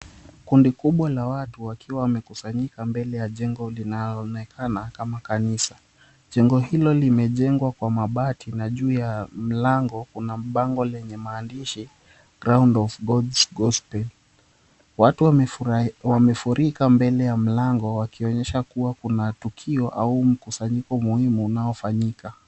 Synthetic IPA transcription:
kundikuɓwalawatuwakʰiwawamɛkusaɲikambɛlɛjaʄɛŋɡɔlinaɔnɛkʰanakamakanisa | ʄɛŋɡɔɦilɔlimɛʄɛŋɡwakwamaɓatinaʄuːjam̩laŋɡɔkunaɓaŋɡɔlɛɲɛmaːndiʃi | ɡɾaundɔvɡɔdsɡɔspɛl | watu | wamɛfuɾikambɛlɛjam̩laŋɡɔwakiɔɲɛʃakuwakunatukʰiɔʔaum̩kusaɲikɔmuhimuːnaɔfaɲika

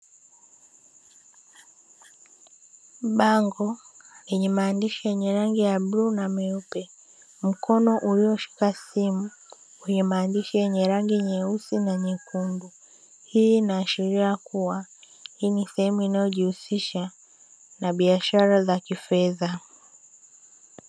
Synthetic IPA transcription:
ɓaŋɡɔ | lɛɲɛmaːndiʃijɛɲɛɾaŋɡijaɓɾunamɛupɛ | m̩kʰɔnɔʔuliɔʃi̥kasimu | wɛɲɛmaːndiʃijɛɲɛɾaŋɡiɲɛusinaɲɛkundu | hiːnaːʃiɾiakuwa | hiːnisɛhɛmuinajɔʄihusiʃa | naɓiaʃaɾazakifɛða

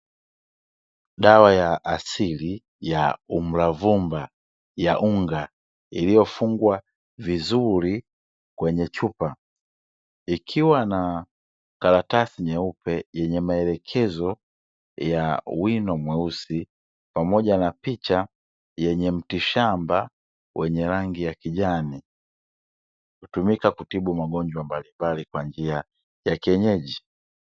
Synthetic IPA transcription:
ɗawajaʔasili | jaum̩lavumba | jaʔuŋɡa | ilijɔfuŋɡwa | vizuɾi | kwɛɲɛt͡ʃupa | ikʰiwana | kaɾatasiɲɛupɛjɛɲɛmaɛlɛkʰɛzɔ | jawinɔmwɛusi | pamɔɟanapit͡ʃa | jɛɲɛm̩tiʃamba | wʔɛɲɛɾaŋɡijakiʄani | kutumikakutiɓumaɡɔɲd͡ʒwambalimbalikwaɲd͡ʒia | jakiɛɲɛʄi

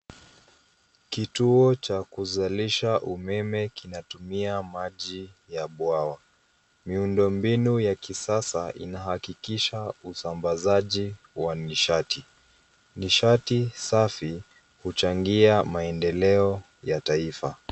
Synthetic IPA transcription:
kituɔt͡ʃakuzaliʃaʔumɛmɛkinatumiamaʄijaɓwawa | miundɔmbinujakisasaʔḭnahakikiʃausambazaʄi | waniʃati | niʃatisafi | hut͡ʃaŋɡiamaɛndɛlɛɔ | jataifa̰

